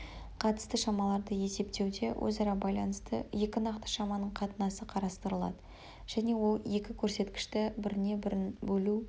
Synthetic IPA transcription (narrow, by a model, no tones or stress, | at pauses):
qʰɑt̪ə̥st̪əʃɑmɑlˠɑɾd̪əje̞se̞p̚t̪e̞wd̪e̞wʔɵ̰zɑɾɑbɑjlˠɑnəst̪ə̰je̞kʲɪnɑqt̪ə̥ʃɑmɑnəɴqʰɑt̪ənɑsəqʰɑɾɑst̪əɾəlˠɑ̰d̪ə | ʒ̥æne̞wo̞lˠje̞kʲɪkʲʰɵɾse̞t̪kʲɪ̥ʃt̪ɪbɪɾɪne̞bɵlu